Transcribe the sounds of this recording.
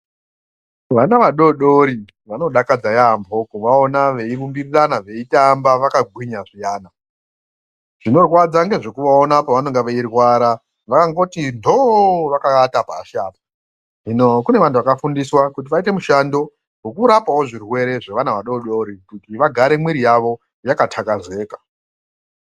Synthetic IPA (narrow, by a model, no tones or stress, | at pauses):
ʋanaʋaɗo̞ɗo̞ɾi | ʋano̞ɗakad͡zajaːmbʱo̞koʋaonaʋe̞irumbiriranaʋe̞itambaʋakaɡʱwiɲaʐijaːna | ʐ̥ino̞rwad͡zaŋɡe̞ʐe̞kuʋaonapaʋano̞ŋɡeʋeirwaɾa | ʋakaŋɡo̞tindʱo̞ʋakaatapa̰ːʃaːpa | ʐinokune̞ʋantʰuʋakafundiswakut̬iʋaite̞muʃando̞ | wokuɾapawo̞ʐirwe̞ɾe̞ʐeʋanaʋaɗo̞ɗo̞ɾikutiʋaɡʱaɾe̞mwiɾijaʋo̞ | jakatʰakaze̞ːka